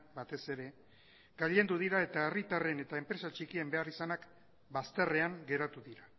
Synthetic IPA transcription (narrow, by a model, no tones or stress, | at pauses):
bat̪e̞se̞ɾe̞ | ɡaʎe̞nd̪uð̞iɾae̞t̪aerit̪are̞ne̞t̪aempɾe̞sat͡ʃikie̞mbe̞arisanak | bast̪ere̞aŋɡe̞ɾat̪uðiɾa